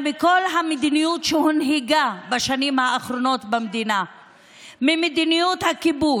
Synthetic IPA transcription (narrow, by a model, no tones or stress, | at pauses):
miko̞lɦamed̪inijutʃehunɦiɡabaʃanimhaːχɾo̞no̞t̪bamd̪ina | mimed̪inijut̪hakibu